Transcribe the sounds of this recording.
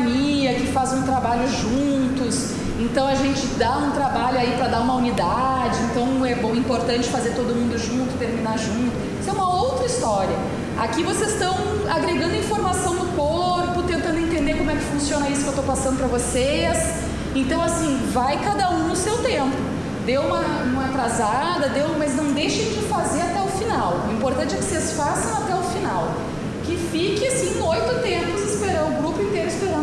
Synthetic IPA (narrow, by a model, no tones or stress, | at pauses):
niɐkɪfazũt̪ɾabaʎʊʒũt̪ʊs | ẽnt̪ɐ̃w̃aʒẽnt͡ʃɪd̪aũt̪ɾabaʎʊaipɾɐd̪aũmɐunid̪ad͡ʒɪẽnt̪ɐ̃w̃ɛbõw̃ĩpoɾt̪ɐ̃nt͡ʃɪ̥fazeɾt̪od̪ʊmũnd̪ʊʒũnt̪ʊ̥t̪eɾminaʒũnt̪ʊisɛũmɐowt̪ɾɐist̪ɔɾiɐ | a̰kivosezst̪ɐ̃w̃ | aɡɾeɡɐ̃nd̪ɐĩfoɾmasɐ̃w̃d̪ʊkoɾpʊt̪ẽnt̪ɐ̃nd̪ẽnt̪ẽnd̪eɾkõmʊɛkɪfũsiõnɐisʊkewt̪owpasɐ̃nd̪ʊpɾɐvoses | ẽnt̪ɐ̃w̃asĩvajkad̪ɐũnʊsewt̪ẽmpʊ | d̪ewũmɐ | ũmɐat̪ɾazad̪ɐd̪ewmɐznɐ̃w̃d̪ejʃẽd͡ʒɪfazeɾat̪ɛʊfinawĩpoɾt̪ɐ̃nt͡ʃɪɛkɪ̥sesfasɐ̃w̃at̪ɛʊfinaw | kɪfikɪasĩojt̪ʊt̪ẽpʊzɪspeɾɐ̃ʊɡɾupʊĩnt̪eɾʊɪspeɾɐ̃